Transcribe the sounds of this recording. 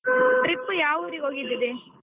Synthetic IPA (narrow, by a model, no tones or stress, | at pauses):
tɾipːujaːʋuɾioːɡid̪id̪e